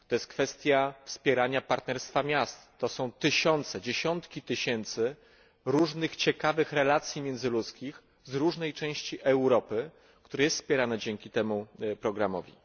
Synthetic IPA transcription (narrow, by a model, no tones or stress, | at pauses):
t̪ɔjɛst̪̚kfɛst̪ʲjafspʲjɛɾaɲapaɾt̪nɛɾst̪famʲjast̪ːɔsɔ̃w̃t̪ɘɕɔnt̪sɛd͡ʑeɕɔnt̪kʲit̪ɘɕɛnt̪sɘ | ɾuʐnɘxt͡ɕɛkavɘxɾɛlat̪sʲjimʲjɛnd̪zɘlut̪skʲix | zɾuʐnɛjt͡ʂɛ̃w̃ɕt͡ɕiʔɛwɾɔpɘ | kt̪uɾɛjɛst̪spʲjɛɾanɛd͡ʑɛŋkʲit̪ɛmupɾɔɡɾamɔ̰vʲḭ